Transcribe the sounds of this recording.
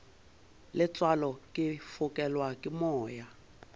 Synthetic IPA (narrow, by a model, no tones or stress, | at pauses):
lɪt͡sʼwalɔkʼɪfʊkʼɛlwakʼɪmɔːja